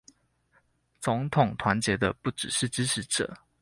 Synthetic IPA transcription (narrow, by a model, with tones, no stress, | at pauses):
t͡sʊ˧˥ŋt̪ʰʊ˨˩ŋt̪ʰwa˧˥nt͡ɕjɛ˧˥d̪ə˧pu˥˩ʈ͡ʂɻ̩˨˩ʂɻ̩˥˩ʈ͡ʂɻ̩˥ʈ͡ʂ̩ʰ˧˥ʈ͡ʂɤ̰ə̰˨˩˦